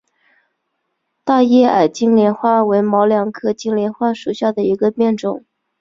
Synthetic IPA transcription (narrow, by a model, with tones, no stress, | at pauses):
t̪a˥˧jɛ˥˩a˨˩ɪt͡ɕi˥ŋljɛ˧˥nxwa˥˩we˧˥ɪmɑ˧˥ʊljɑ˨˩ŋkʰɤ˥˧t͡ɕi˥ŋljɛ˧˥nxwa˥˩ʂu˨˩ɕja˥˩d̪ə˩i˧˥ɡə˧pjɛ˥˩nʈ͡ʂʊ˨˩˦ŋ